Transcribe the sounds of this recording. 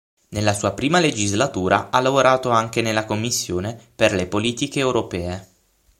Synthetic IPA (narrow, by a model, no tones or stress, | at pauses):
nelːasuːapɾiːmaled͡ʒizlat̪uːɾʔa̰alːavoɾaːt̪oaŋk̟enelːakomːisːjoːneperlepoliːt̪ikeːwɾopɛːe